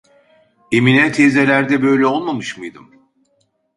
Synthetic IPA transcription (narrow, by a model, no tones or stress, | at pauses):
eminɛt̪ʰezelʲæɾd̪ɛbø̞jlʲɛo̞lˠmamɯʃmɯjd̪ɯ̰m